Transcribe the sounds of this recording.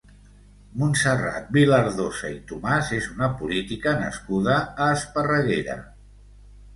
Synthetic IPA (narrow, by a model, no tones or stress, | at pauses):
munsəra̰t̪̚biləɾðozait̪umazezunəpulit̪ikənə̰skuð̞əːspərəɣeɾə̰